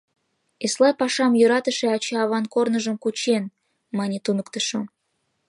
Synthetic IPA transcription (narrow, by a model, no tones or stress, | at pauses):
eslˠɑjpɑʃɑmjyɾɑt̪əʃeɑt͡ɕɑːβɑnkornəʒəmkut͡ɕen | mɑnʲet̪unəkt̪ə̆ʃo